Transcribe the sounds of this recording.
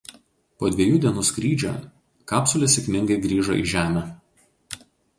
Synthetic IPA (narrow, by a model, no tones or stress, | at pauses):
poːd̪ʲʋʲɛjuːd̪ʲiɛnuːskɾʲiːd͡ʒʲo̰ː | kɑːpsʊlʲesʲɛkʲmʲɪ̃ŋɡɐɪɡɾʲiːʒo̰ʔɪ̰ʒʲæːmʲɛ